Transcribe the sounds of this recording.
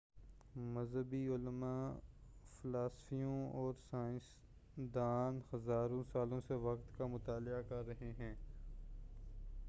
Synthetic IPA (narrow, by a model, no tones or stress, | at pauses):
mɐzɦəbiʊlmaː | fɪlaːsfijõɔːɾsaːɪ̃s | d̪aːnhɐzaːɾõsaːlõseʋɐqt̪kamʊt̪aːlakɐɾːɐɦeɦɛ̃ː